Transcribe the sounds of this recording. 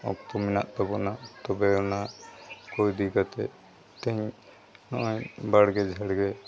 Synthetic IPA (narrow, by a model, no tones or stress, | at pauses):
ɔ̰k̚t̪ɔmina̰ʔt̪ɔbɔnat̪ɔbɛɔnakɔjd̪iɡat̪ɛ̰ | t̪ɛɲ | nɔʔɔɲbaɽɡɛd͡ʒʱəɽɡɛ